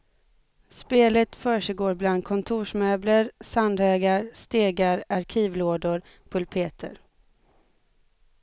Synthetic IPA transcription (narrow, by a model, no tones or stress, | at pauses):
speːlət̪fœːʂɛɡoːɾbland̪̚kʰɔnt̪ʰuːʂmøːbləɾsand̪ɛːɡaɾst̪eːɡaɾaɾkʰiːvloːd̪ʊɾ | pʰɵlpʰeːt̪ʰə̰ɾ